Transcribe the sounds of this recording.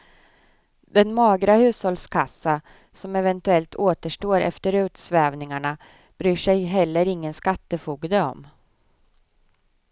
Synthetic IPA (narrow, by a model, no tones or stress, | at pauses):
d̪ɛnmɑːɡɾahʉ̟ːshɔlskʰasːa | sɔmɛvɛnt̪ɵɛlt̪ʰoːt̪əʂʈoːɾʔɛ̰ft̪əɾʉ̟ːt̪svɛːvnɪŋaɳa | b̥ɾyːʂɛjɦɛlːəɾɪŋːənskat̪ːəfuːɡd̪əɔ̰m